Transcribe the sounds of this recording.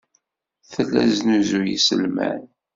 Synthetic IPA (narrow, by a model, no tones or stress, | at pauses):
θəlːæznuzujḭsəlmæ̰n